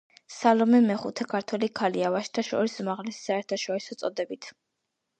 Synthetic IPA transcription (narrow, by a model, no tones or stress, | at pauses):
salɔmɛmɛχut̪ʰɛkʰaɾt̪ʰwɛlikʰaliavaʃt̪ʰaʃɔ̰ɾisumaʁlɛsi̥saɛɾt̪ʰaʃɔɾisɔt̪sʼɔd̪ɛbit̪ʰ